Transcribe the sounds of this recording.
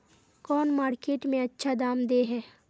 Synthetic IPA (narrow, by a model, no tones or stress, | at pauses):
kɔːnmaːɾkeːʈmẽɐtːʃʰad̪aːmd̪eɦɛː